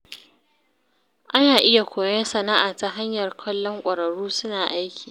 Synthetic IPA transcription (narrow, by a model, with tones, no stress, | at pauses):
ʔa˦naː˨ʔɪ˦ja˨kʷoː˨jɐ˦nsɐ˨na˦ʔaː˨ta˦ɦa˦ɲjɐ˨rkʰɐ˦lːɔ˦ŋkʷʼɐ˨ɾɐ˨ɽuː˦sʊ˦naː˨ʔa˦jkʲi̥ː˨